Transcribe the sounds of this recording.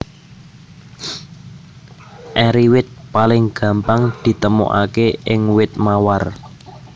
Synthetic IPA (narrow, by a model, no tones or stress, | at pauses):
ʔɛɾiwɪt̪̚palɪŋɡ̥ä̤mpaŋd̪̥i̤t̪əmo̰ʔa̰keɪŋwɪt̪̚mawar